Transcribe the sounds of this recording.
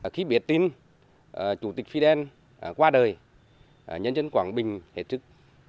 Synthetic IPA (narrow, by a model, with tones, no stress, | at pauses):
xi˧˦ɓi˨˩ət̚t̪i˧n˨˩ | t͡ɕu˧˩t̪i˨˩k̚fi˧ɗɛ˧n˨ | kwaː˧ɗəː˨˩j | ɲə̰˧˦nt͡ɕə˧nkwaː˧˩nɓï˨˩ŋ̟hḛ˨˩t̚sɨ˦˥k̚